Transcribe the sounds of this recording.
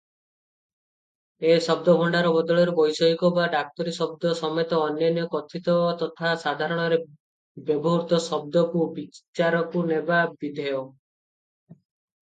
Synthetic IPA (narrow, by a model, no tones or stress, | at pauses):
esɔb̚d̪ɔbʱɔɳɖaɾɔbɔd̪ɔɭɔɾebɔjsɔɦikɔbaɖak̚t̪ɔɾisɔbd̪ɔsɔmet̪ɔːnjɔnijɔkɔt̪ʰit̪ɔat̪ɔt̪ʰasad̪ʱaɾɔɽ̃ɔɾe | bjɔbɔɦuɾt̪ɔsɔb̚d̪ɔkubit͡ʃaɾɔkunebabid̪ʱɔjɔ